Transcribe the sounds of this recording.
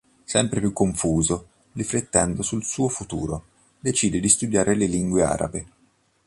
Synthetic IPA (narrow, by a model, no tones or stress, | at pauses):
sɛmpɾepjukːoɱfuːzo | liflet̪ːɛnd̪osulsuːofut̪ṵːɾo | d̪et͡ʃiːd̪ed̪ist̪ud̪jaːɾeleliŋɡwea̰ːɾa̰be